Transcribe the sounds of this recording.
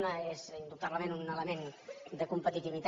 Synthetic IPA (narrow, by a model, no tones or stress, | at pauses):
nəezind̪ut̪aβləmenunələmend̪əkumpət̪it̪iβit̪